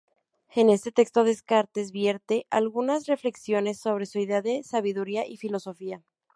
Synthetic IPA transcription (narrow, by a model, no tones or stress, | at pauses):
ene̞st̪e̞t̪e̞kst̪o̞ðeskaɾt̪ezβjeɾt̪e̞ʔalɣunasre̞fle̞ksjo̞ne̞sːo̞β̞ɾe̞suiðeaðe̞saβiðuɾiaʔifilo̞so̞fia